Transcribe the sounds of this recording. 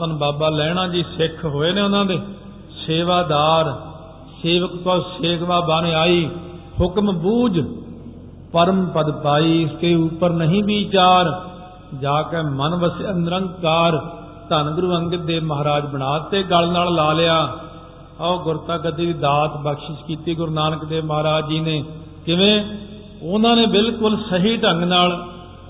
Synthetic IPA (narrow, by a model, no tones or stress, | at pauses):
t̪ənbaːbaːlɛːɽ̃ãːd͡ʒiːsɪkʰɦoːeːnẽːʊnãːd̪eː | seːʋaːd̪aːɾ | seːʋəkp̪ɔːseːkʰbaːbaːnẽːaːiː | hʊkmbuːd͡ʒ | pəɾəmpəd̪paːiːɪst̪eːupəɾnəɦĩːbiːt͡ʃaːɾ | d͡ʒaːkemənʋəsiənɾə̃ŋɡkaːɾ | t̪ənɡʊɾuːə̃ŋɡɪd̪eːməɦaːɾaːd͡ʒbəɽ̃aːt̪eːɡəlnaːllaːlɪjaː | aoɡʊɾt̪aːɡət̪̬iːd̪iːd̪aːt̪bəkʃɪʃkiːt̪iːɡʊɾnaːnəkd̪eːməɦaːɾaːd͡ʒiːneː | kɪʋẽː | ʊnãːneːbɪlkʊlsəɦiːʈəŋɡnaːl